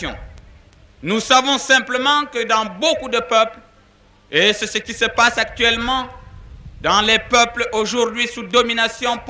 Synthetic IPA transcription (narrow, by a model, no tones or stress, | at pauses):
jɔ̰̃ | nusavɔ̃sɛ̃pləmɑ̃kəd̪ɑ̃bokud̪əpœpl | esəsəkʲisəpasak̚t̪ɥɛlmɑ̃ | d̪ɑ̃lɛpœploʒuʁd̪ɥisud̪ɔminasjɔ̃p